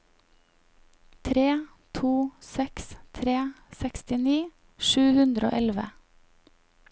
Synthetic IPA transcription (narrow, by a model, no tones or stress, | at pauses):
t̪ʰɾeː | t̪ʰuːsɛkst̪ʰɾeː | sɛkst̪ɪniː | ʃʉːhʉnd̪ɾo̰ːʔɛlʋə̰